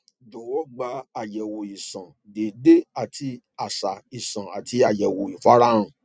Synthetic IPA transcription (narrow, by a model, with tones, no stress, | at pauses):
do˨wɔ˦ɡ͡ba˧a˨jɛ˨wo˨i˨sã˨ | de˨de˦a˨tʰi˧ | a˨sa˨i˨sã˨a˨tʰi˧a˨jɛ˨wo˨i˨fa˦ɾa˦ũ˨